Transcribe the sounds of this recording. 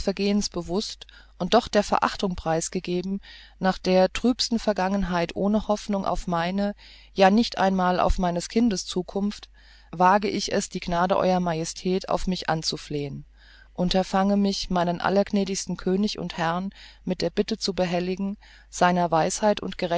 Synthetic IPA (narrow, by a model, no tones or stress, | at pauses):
fɛɐɡeːənsb̥əvʊst | ʔʊnt̚d̥ɔχd̥eːɐfɛɐʔa̰χtʊŋpʁ̥aɪsɡ̥əɡeːbm̩ | naːχd̥eːɐtʁ̥yːpstn̩fɛɐɡaŋənɦaɪtʔoːnəhɔfnʊŋʔa̰ʊfmaɪnə | jaːnɪçtʔa̰ɪnmaːlʔa̰ʊfmaɪnəskʰɪndəst͡suːkʰʊmft | vaːɡəʔɪçɛsd̥iːɡnaːdəʔɔ̰ʏʁɐmajɛstʰɛːtʰa̰ʊfmɪçʔa̰nt͡sufleːən | ʔʊntɐfaŋəmɪçmaɪnənʔa̰lɐɡnɛːdɪçstn̩kʰøːnɪçʊ̰nthɛʁnmɪt̚d̥eːɐbɪtət͡subəɦɛlɪɡŋ̩ | z̥aɪnɐvaɪshaɪtʊ̰ntɡ̥əʁɛ